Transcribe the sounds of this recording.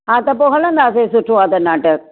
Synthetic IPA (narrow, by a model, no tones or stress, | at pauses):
ɦãːt̪ɐpoɦələ̃nd̪aːs̬esʊʈʰoaːt̪ɐnaːʈək